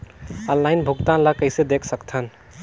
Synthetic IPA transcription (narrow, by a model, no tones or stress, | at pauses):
ənlaɪnbʱuɡt̪ãnləkəɪsed̪ekʰsəkt̪ʰən